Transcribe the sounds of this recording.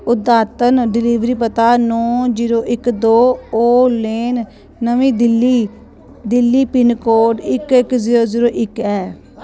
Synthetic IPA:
ʊd̪aːt̪ənɖɪliːʋɾiːpət̪aːnɔ̃ːziːɾoːʔɪkd̪oːoːleːnː | əʋĩːd̪ɪlːiː | d̪ɪlːiːpɪnkoːɖɪkɪkziːɾoːziːɾoːʔɪkɛː

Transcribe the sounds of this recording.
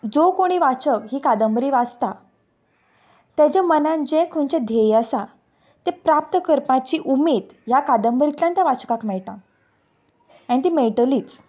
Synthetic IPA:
d͡zokoɽ̃iːʋat͡ɕəkɦiːkad̪əmbɾiːʋad͡zt̪a | t̪at͡ɕamənãnd͡ʑekʰõnt͡ɕẽd̪ʱejəsa | t̪epɾap̚t̪əkəɾpãt͡ɕiʔumed̪ | jakad̪əmbɾit̪ljãnt̪jaʋat͡ɕəkakmɛɭʈã | ãĩt̪imeʈəliːt͡s

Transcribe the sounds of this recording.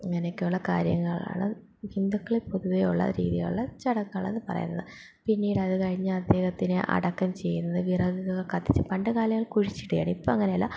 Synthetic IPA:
iŋːɐneokːejuɭːɐkaːɾjɐ̰ŋːɐɭa̰ːɳɨ | hind̪ukːɐɭepoðuʋejuɭːɐ̰ɾḭːðiɣɐ̰ɭuɭːɐt͡ɕɐɽɐkːɐɭḛnːɨpɐrɐ̰junːɐ̰ðɨ | pinːiːɽɨɐðɨkɐɻiɲːɨɐd̪ːe̞ːhɐt̪ːinɨʔɐ̰ɽɐkːɐmt͡ɕe̞jːunːɐðɨʋirɐɡiɣɐɣɐɭkɐt̪ːit͡ɕːɨpɐɳɖɨkaːljɐŋːɐɭkuɻit͡ɕːi̥ʈːujaːɳipːoɐŋːɐne̞jɐlːa̰

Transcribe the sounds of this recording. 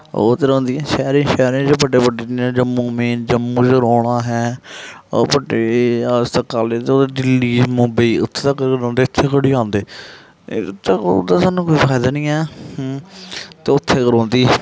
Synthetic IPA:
o̰ːt̪eːɾõːnd̪iːɛ̃ːʃɛːɾẽːʃɛːɾẽd͡ʒebəɖeːpəɖẽːd͡ʒəmːũːmeːnd͡ʒəmːũːd͡ʒɾoːɽ̃aːɦɛː | pəɖeːst̪əkaːleːt̪eoːd̪eːɖɪliːzmõːbəiːʊ̰t̪ʰːeːt̪akəɾkɾõːnd̪eːʊt̪ʰːeːkəɽiːãːnd̪eː | t̪ːd̪aːsaːnũːkoːiːpaːjd̪aːnĩːɛː | t̪eːʊt̪ʰːeːkəɾõːnd̪iː

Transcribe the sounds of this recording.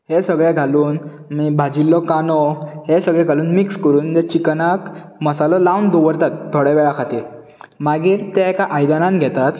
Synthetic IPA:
hesəɡɭaɡʱaluːn | mibʱad͡ʑilːɔkanɔɦesəɡɭɛɡʱaluːnmikskəɾuːnt̪ɛt͡ɕiknakməsalɔlawnd̪oʋəɾt̪at̪̚t̪ʰːoɽɛʋɛɭakʰat̪e | maɡiːɾt̪ɛɛkaʔajd̪anãnɡʱɛt̪at̪

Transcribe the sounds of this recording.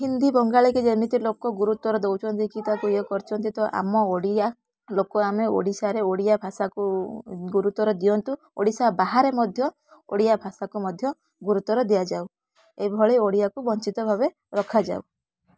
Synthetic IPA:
ɦind̪ibɔŋɡaɭiked͡ʒemit̪ilokɔɡuɾut̪ɔɾɔd̪ewt͡ʃʰɔnt̪ikit̪akueɔkɔɾt͡ʃʰɔnt̪it̪ɔʔa̰mɔoɽia | lokɔameo̰ɽisaɾeoɽijabʱasakuɡuɾut̪ɔɾɔd̪ijɔnt̪u | o̰ɽisabaɦaɾemɔd̪ʱjɔ | o̰ɽijabʱasakumɔd̪ʱjɔ | ɡuɾut̪ɔɾɔd̪ijad͡ʒaw | ebʱɔɭeoɽijakubɔnt͡ʃit̪ɔbʱabe | ɾɔkʰad͡ʒa̰w

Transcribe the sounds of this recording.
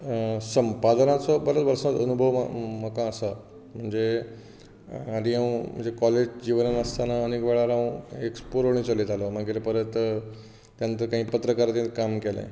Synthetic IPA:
səmpad̪nat͡sɔbəɾət̪ʋəɾsat̪ənubʱəʋ̰məkãːsa | m̤əɳd͡ze | ad̪iɦãwm̤ə̰ɳd͡zekɔled͡ʑd͡ʑiʋənənəst̪anaənekʋɛɭaɾãwekspoɾoɳ̃it͡səlit̪alɔmaɡeɾpəɾət̪ː | jant̪əɾkãɦiːpət̪ɾəkaɾat̪ẽt̪kamkɛlḛ̃

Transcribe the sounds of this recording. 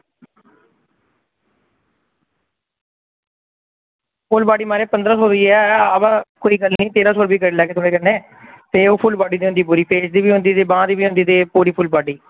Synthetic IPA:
pʰʊlbaːɖiːmaːɾeːpə̃nd̪ɾaːsoːɾiːɛːabãːkoːiːɡəlniːt̪eːɾaːsoːɾbiːkəɾlɛːkeːt̪ʰoːɽeːkənẽː | t̪eːoːpʰʊlbaːɖiːd̪iːɦʊnd̪iːpuːɾiːpʰeːsd̪iːbiːɦʊ̃nd̪iːt̪eːbãːd̪iːbiːɦʊ̃nd̪iːt̪eːpuːɾiːpʰʊlbaːɖiː

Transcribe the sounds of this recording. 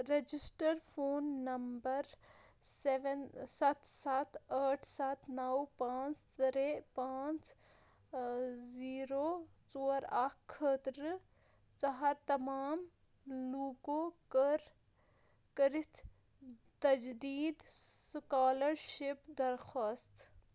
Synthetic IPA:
ɾed͡ʒɪsʈəɾfʰoːnːɐmbɐɾ | seʋensɐt̪ʰsat̪ʰaːʈʰsat̪ʰnɐwpãːt͡st̪ɾepãːt͡s | ziːɾoː | t͡soːɾakkʰːət̪ɾ | t͡ʃɐɦaɾt̪ɐmaːm | luːkoːkəɾ | kɐɾɪt̪ʰ | t̪ɐd͡ʒd̪iːd̪skaːləɾʃɪpd̪ɐɾxaːst̪

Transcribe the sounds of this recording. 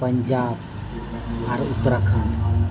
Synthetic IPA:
pəɲd͡ʒab | aɾut̪ːɾakʰan

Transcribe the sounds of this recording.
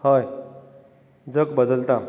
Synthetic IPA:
həj | d͡zəkbəd̪əlt̪a

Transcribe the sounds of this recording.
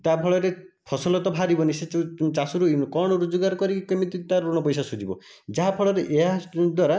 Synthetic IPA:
t̪apʰɔɭɔɾepʰɔsɔlɔt̪ɔbʱaɾibɔniset͡ʃasuɾukɔɽ̃ɔɾud͡ʒuɡaɾkɔɾikikemit̪it̪aɾuɽ̃ɔpɔjsasud͡ʒibɔ̰ | d͡ʒaɦapʰɔɭɔɾeʔeɦad̪waɾa

